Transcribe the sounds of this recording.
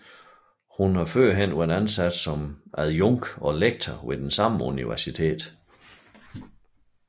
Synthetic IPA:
hunhɑ̈føɐ̰ɦen̰uenænsæd̥sɒ̽mʔæðˠjɔŋɡ̥ɒ̽leɡ̥̚t͡sʰɐʋe̝d̥ensɑ̈məuniʋæɐsit͡sʰe̝̰ːd̥

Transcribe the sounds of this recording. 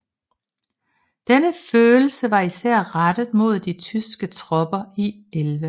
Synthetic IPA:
d̥enəføːl̩səʋɑ̈isæɐ̰ʁad̥əðˠmo̝ð̞̰ˠd̥it͡sʰysɡ̥ət͡sʰʁɒ̽b̥ɐi | elʋə

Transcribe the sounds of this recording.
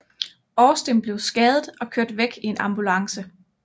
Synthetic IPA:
ɒːsd̥emb̥le̝ʊsɡ̥ɛːð̞ˠð̩ˠɒ̽kʰøɐd̥ʋeɡ̥ie̝nʔɑ̈mb̥ulɑ̈ŋsə

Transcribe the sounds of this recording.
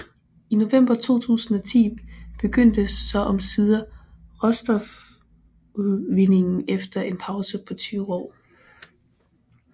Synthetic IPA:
ino̝ʋem̰b̥ɐt͡sʰo̝̰ːt͡sʰṵːsn̩ɒ̽t͡sʰḭːb̥e̝ɡ̥øn̰d̥əsːɒ̽ʔɒ̽msið̞ˠɐ | ʁɒsd̥ɒf | uðˠʋine̝ŋn̩efd̥ɐʔe̝npʰɑ̈ʊsəpʰɒ̽t͡sʰyːʊɒ̰ː

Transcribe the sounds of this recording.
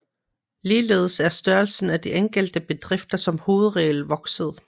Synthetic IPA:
liːle̝̰ːð̞ˠəsæɐsd̥ɶɐlsn̩æd̥iʔeŋɡ̥əl̰d̥əb̥e̝d̥ʁɛfd̥ɐsɒ̽mho̝ːð̞̩ˠʁɛːl̩ʋɒ̽ɡ̥səð̞̩ˠ

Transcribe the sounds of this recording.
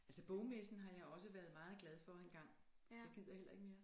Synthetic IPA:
ælsəb̥ɔʊmesn̩ɦɑ̈jɑ̈ɪɒ̽səʋæɐðˠmɑ̈ːð̞̩ˠɡ̥lɛð̞ˠfɒ̽enɡ̥ɑ̈ŋ̰ | eɡið̰ˠjɐhel̰ɐe̝ɡ̥me̝ːɐ

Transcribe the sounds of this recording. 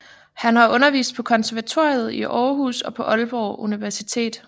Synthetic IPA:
hænhɑ̈ʔɔ̽nɐʋḭːsd̥̚pʰɒ̽kʰɒ̽nsæɐʋæt͡sʰo̝̰ːjð̞̩ˠiʔɒːɦṵːsɒ̽pʰɒ̽ʔɒlb̥ɒːʔuniʋæɐsit͡sʰe̝̰ːd̥

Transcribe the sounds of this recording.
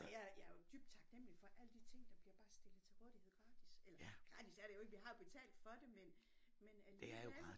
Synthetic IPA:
jæjæjo̝d̥y̰b̥d̥̚t͡sʰɑ̈ɡ̥nem̰li̥fɒ̽ʔæl̰əd̥it͡sʰe̝ŋ̰d̥ɑ̈b̥liɐb̥ɑ̈ːsd̥e̝lð̩ˠt͡sʰe̝lʁɔːðˠiheð̰ˠɡ̥ʁɑ̈ːd̥iselɐɡ̥ʁɑ̈ːt͡sisæɐɾ̥ejo̝e̝ɡ̥əʋiɦɑ̈jo̝b̥e̝t͡sʰɛ̰ːld̥fɒ̽d̥e̝menmenældej

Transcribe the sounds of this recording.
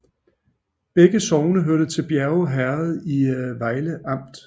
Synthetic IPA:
b̥eɡ̥əsɒʊnəɦøɐd̥ət͡sʰe̝lb̥jæɐʊɦæɐð̞̩ˠiʋɑ̈ɪləʔɑ̈m̰d̥

